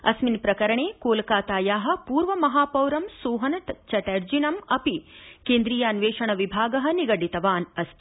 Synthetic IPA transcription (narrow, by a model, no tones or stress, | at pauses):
ɐ̰sminpɾɐkɐɾɐɳeːkoːlkaːt̪aːjaːɦɐ̆puːɾʋɐmɐɦaːpɐwɾɐmsoːɦɐnt͡ʃɐʈɐɾd͡ʒinɐmɐpikeːnd̪ɾiːjaːnʋeːʃɐɳɐʋibʱaːɡɐɦɐ̆niɡɐɖit̪ɐʋaːnɐst̪ʰ